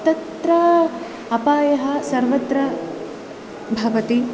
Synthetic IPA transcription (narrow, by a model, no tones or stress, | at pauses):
t̪ɐt̪t̪ɾɐ | ɐpaːjɐɦɐ̆sɐɾʋɐt̪ɾɐ | bʱɐʋɐt̪i